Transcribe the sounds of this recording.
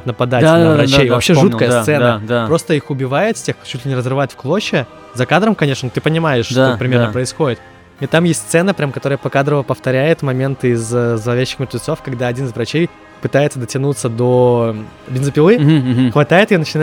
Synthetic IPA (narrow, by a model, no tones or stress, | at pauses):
t̪nəpɐd̪at̪ʲanvɾɐt͡ɕejvɐpɕːeʐut̪kəjəssɛnəd̪apɾo̞st̪əixʊbʲɪvajɪt̪fʲsʲext͡ɕːut̪ʲlʲɪnʲɪɾəzrɨvaɪtʲfklˠo̞ɕːɪ | zɐkad̪ɾəmkɐnʲe̞ʂnənt̪ɨpənʲɪmajɪʂʂopɾʲɪmʲe̞ɾnəpɾəɪsxo̞dʲɪt̪ | it̪amjesʲtʲst̪sɛnəpɾʲamkɐt̪oɾəjəpɐkad̪ɾəvəpəft̪ɐɾʲæjɪt̪mɐmʲe̞nt̪ɨɪzzəlˠɐvʲæɕːɪ̥xmʲɪrt̪vʲɪt̪so̞fkɐɡd̪aɐdʲinɨɪzvɾɐt͡ɕej | pɨt̪ajɪt̪səd̪ətʲɪnut̪səd̪o̞ | bʲɪnzəpʲɪlˠɨxvɐt̪ajɪt̪ɨjanət͡ɕɪna